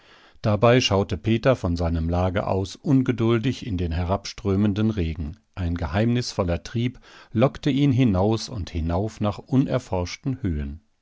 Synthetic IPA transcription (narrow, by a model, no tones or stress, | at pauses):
d̥abaɪʃaʊtəpʰeːtɐfɔnzaɪnəmlaːɡɐ̰ʔa̰ʊsʔʊnɡədʊldɪçɪndeːnɦɛʁapʃtʁ̥øːməndənʁeːɡŋ̩ | ʔaɪnɡəhaɪmnɪsfɔlɐtʁ̥iːplɔktəʔiːnɦɪnaʊsʊnthɪnaʊfnaːχʔʊnʔɛ̰ɐfɔɐʃtn̩høːən